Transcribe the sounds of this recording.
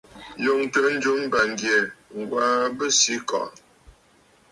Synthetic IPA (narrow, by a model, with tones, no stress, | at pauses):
jo˨ŋtə˦n̩˦d͡ʒu˦m˦ba˨ŋ˨ɡje˨ŋ̩˨ɡwa˦bə˦si˨˦kɔ̰˨ʔ